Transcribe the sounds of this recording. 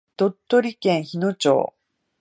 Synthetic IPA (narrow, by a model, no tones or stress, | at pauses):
t̪o̞t̪ːoɾʲikẽ̞ɰ̃çino̞t͡ɕo̰ː